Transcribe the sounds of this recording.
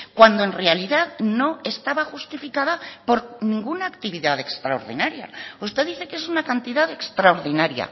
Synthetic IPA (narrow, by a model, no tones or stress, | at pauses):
kwand̪oe̞nre̞aliðaðno̞e̞st̪aβaxust̪ifikaðapo̞ɾnĩŋɡunaːkt̪iβiðaðe̞kst̪ɾaoɾðḭnaɾja̰ust̪e̞ðiθe̞ke̞sunakant̪iðaðe̞kst̪ɾaoɾðinaɾja̰